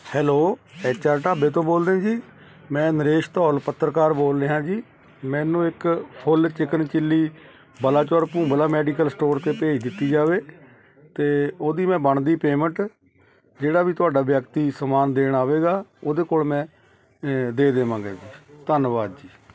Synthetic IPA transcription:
hɛːloːɛːt͡ʃaːɾʈaːbeːt̪õːboːld̪ẽːd͡ʒiː | mɛ̃ːnəɾeːʃt̪ɔːlpət̪ːɾkaːɾboːld̪eːɦãːd͡ʒiː | mɛ̃ːnũːɪkpʰʊlt͡ʃɪkənt͡ʃɪlːiː | bəlaːt͡ʃɔːɾpũːbəlaːmɛːɖikəlsʈoːɾt̪eːpeːʃd̪ɪt̪ːiːd͡ʒaːʋeː | t̪eːoːd̪iːmɛ̃ːbəɳd̪iːpeːmə̃ɳʈ | d͡ʒeːɽaːʋiːt̪ʊaːɖaːʋjəkt̪iːsəmaːnd̪eːɳaːʋeːɡaːoːd̪eːkoːlmɛ̃ː | d̪eːd̪eːʋãːɡeːd͡ʒiːt̪ənʋaːd̪d͡ʒiː

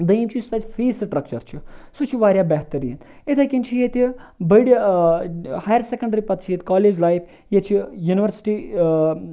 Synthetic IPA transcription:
d̪ɐimt͡ʃʰist̪aːt̪ʲfʰiːsʈɾɐk̚t͡ʃəɾt͡ʃʰisut͡ʃʰiʋaːɾʲjaːbɛɦt̪ɐɾḭːn | it̪ʰakint͡ʃʰijet̪ibɐjɽi | haːjɐɾsekɐɳɖɐɾipɐt̪ʰt͡ʃʰjet̪ʲkaːleːd͡ʒlaːjpʰ | jet͡ʃʰijuːniʋəɾsi̥ʈi

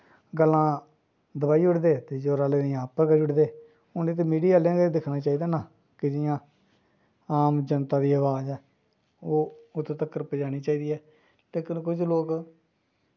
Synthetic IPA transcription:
ɡəlːãː | d̪əbaːiːʊʈd̪eːt̪eːd͡ʒoːɾaːleːɪːãːpəɾkəiʊʈd̪eː | ʊneːt̪̬eːmiːɖiːaːlãɡd̪ɪkʰnaːt͡ʃaːiːd̪aːnaː | kɪd͡ʒɪjãː | aːmd͡ʒənt̪ãːd̪iːəʋaːzɛː | oːʊt̪ʰːt̪əkːəɾpəd͡ʒaːɽ̃iːt͡ʃaːiːd̪iːɛː | t̪eːkənkʊd͡ʒloːk

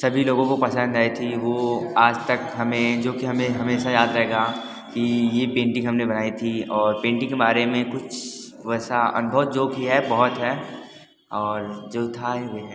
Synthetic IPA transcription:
sɐbʱiloːɡõkopɐsə̃nd̪ʱaːit̪ʰiʋoaːd͡ʒt̪ɐkɦɐmẽd͡ʒoːkiɦɐmẽɦɐmeːsajaːd̪ɾɐɦeːɡa | kijepẽːɳʈĩɦɐmnebɐnaːit̪ʰiɔːɾpẽːɳʈĩkemaːɾemẽkʊt͡ʃʰ | ʋɛːsaɐ̰nbʱəʋd͡ʒoːkiɦɛbɐɦɔt̪ɦɛː | ɔːɾd͡ʒoːt̪ʰaɦɛʋeɦɛ

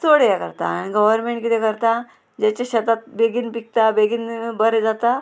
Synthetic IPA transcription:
soɽejakə̰ɾt̪a̰ːɽ̃iɡəʋəɾmeɳʈkit̪ekəɾt̪a | d͡ʑat͡ɕaɕət̪at̪̚beɡiːnpik̚t̪abeɡiːnbəɾd͡zat̪a

